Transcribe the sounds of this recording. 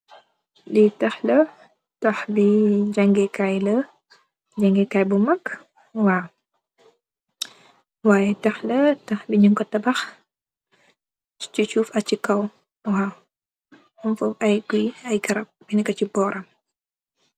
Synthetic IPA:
ditɐxlɐ | tɐxbid͡ʒaŋɡɛkajlə | d͡ʒaŋɡɛkajbumɐk | waw | waːjɛtɐxlɐtɐxbiɲuŋkɔtːɐbɐx | t͡ʃut͡ʃuːfɐt͡ʃikɐw | wa | uɱfupɐjɡiɐjɡɐɾɐp̚binɛkɐt͡ʃibɔːɾʔɐm

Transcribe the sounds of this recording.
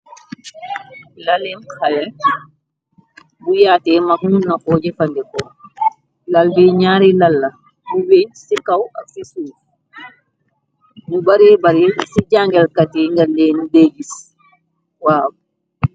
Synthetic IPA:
lalɛmkʰalɛ | bujaːtɛmaknunːakɔːd͡ʒɛfandɛkɔ | lalbɛɲaːɾilalːa | buwɛnsikawafisuf | mubaɾɛbaɾɛsid͡ʒaŋɡɛlkatɛŋɡaldɛnuded͡ʒis | waːbu

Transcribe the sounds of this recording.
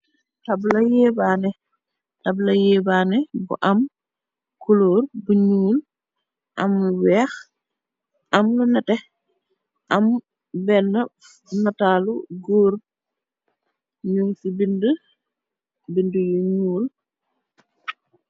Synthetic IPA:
tɐblɐjɛːbaːnɛ | tɐblɐjɛːbaːnɛbṵʔɐm | kuloːrbuɲuːl | ʔɐ̰mluwɛːx | ʔɐmlunɐtɛ | ʔɐm | bɛnːə | nɐtaːluɡoːɾ | ɲuŋsibində | bindəjuɲuːl

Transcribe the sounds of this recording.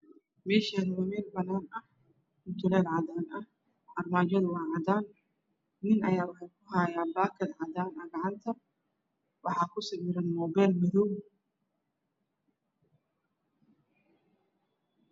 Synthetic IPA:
mɛːʃɛːnɐwɐmɛːlbɐnaːnɐh | mʊt̪ʰʊlɛːd̪ʕɑd̪aːnɐh | ʔɐrmaːt͡ʃɐðʊwɑːʕɑd̪aːn | nɪnɐjaːwɑħɑjkʰʊɦaːjaːbaːkʰɐd̪ʕɑd̪aːnɐɡɑʕɑnt̪ʰɐ | wɑħɑːkʰʊsɐwɪɾɐnmɔbɛːlmɪðɔw

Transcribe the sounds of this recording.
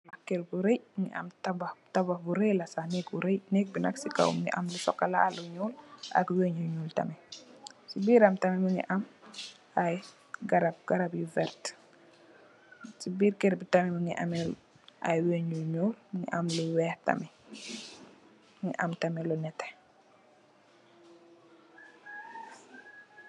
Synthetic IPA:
lakːɛɾbuɾejŋḭʔɐ̰mtɐbtɐbɐbuɾelɐsanɛk̚buɾejnɛk̚binɐ̰ksika̰w̰mŋɡḭʔɐ̰mlusɔ̰kːɐlaluɲuːlɐ̰kweɲuɲuːltɐ̰mɛsibiːɾɐmtɐmɛmuŋḭʔɐm | aj | ɡaɾab̚ɡ̥aɾabjuvɛɾt | sibiːɾkɛɾbitɐmɛmuŋḭʔɐ̰mɛl | ʔɐ̰jweɲuɲuːlmuŋɡḭʔɐmluwɛːhtɐ̰mi | ŋḭʔɐmtɐmɛlunɛtːɛ̥

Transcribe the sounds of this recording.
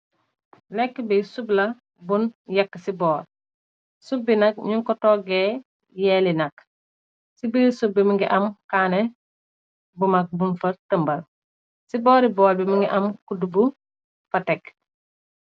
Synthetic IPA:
lɛkːbisublɐ | bunjɐkːsibɔːɾ | sub̚binɐk̚ɲuŋkɔtɔːɡe | jɛlinɐk | sibisub̚bimuŋɡiʔɐmkaːnɛ | bumɐk̚bunfɐtəmbɐl | sibɔːɾibɔːlbimuŋɡiʔɐmkudubu | fɐtɛk

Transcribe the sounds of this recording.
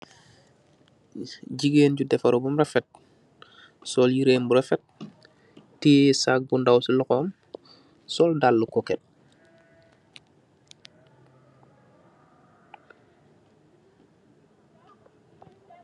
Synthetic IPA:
ɟiɡeːnɟudɛfɐɾɔbumɾɛfɛt̚ | sɔːljiɾeːnbuɾɛfɛt̚ | tiːsak̚ɡundawsilɔxɔːm | sɔːldalːukɔkɛt̚

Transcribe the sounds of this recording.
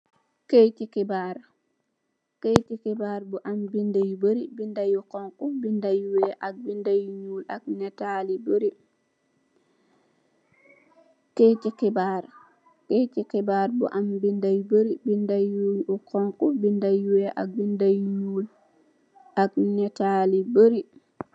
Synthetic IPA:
kejtikɛbaɾ | kejtikɛbaːɾbuʔambindajboɾibindajukɔŋkubindajuwɛʔak̚bindajɲulak̚nɛtaliboɾi | ketikɛbaɾ | ketikɛbaɾbṵʔambindajboɾibindajujukɔŋkubindajuwɛʔa̰k̚bindajɲul | aknɛtaliboɾi

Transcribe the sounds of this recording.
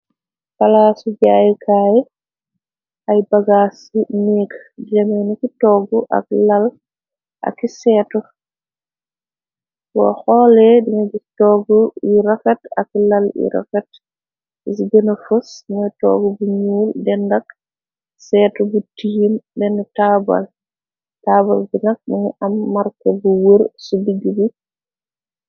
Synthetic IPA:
palasud͡ʒajɛkʰaːjɛ | ʔajbaɡasunikd͡ʒamanikitɔɡɔʔa̰klal | ʔa̰kisɛːtɔ | wɔ̰hɔlɛdiŋaɡitɔɡɔiɾakata̰klalḭɾɔ̰kat | isɡɛnɔfusŋatɔ̰ɡɔbuɲuldɛndak | sɛtɔbutijimdɛnɔtaba̰l | taːbalɡinak̚ɗiŋʔamːaɾkabuwuɾsubiɡibu

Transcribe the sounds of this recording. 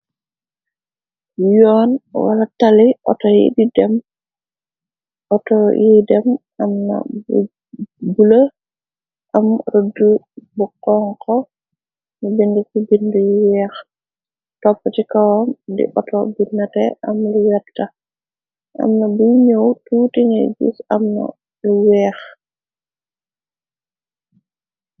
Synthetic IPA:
jɔːnwa̰lataliʔɔ̰tɔjḭdidɛm | ʔɔtɔjidɛm | amna̰b | bulə | ʔamɾodːu | bukɔŋkɔ | nibinɡikibindujiwɛːx | tɔpːətikawɔmdḭʔɔtɔ̰binːɐtɛ̰ʔɐmluwɛtɐ | ʔɐ̰mnɐbuɲowtuːtiŋɛ̰ɡṵsɐmnɐ̰ | luwɛːx

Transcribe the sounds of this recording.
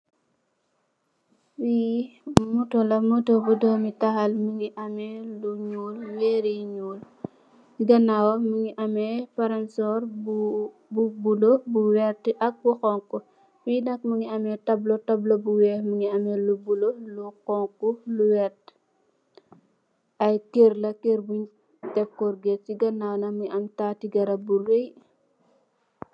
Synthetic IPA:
wi | mutɔlɐmutobudɔːmitɐhɐlmuŋiʔɐmɛluɲuːlwɛɾiɲul | ɡɐnawɔmuŋiʔɐmɛpɐɾɐnsɔɾ | bubulobuwɛrtʔɐk̚buxɔŋkːu | finɐk̚muŋiɐmɛtɐblotɐblobuwɛːmuŋiɐmɛlubulolukɔŋkuluwɛt | ɐjkerlɐkeɾbuɲ | tɛp̚kɔrɡetːiɡɐnawnɐməŋiʔɐmtatiɡɐɾɐburej

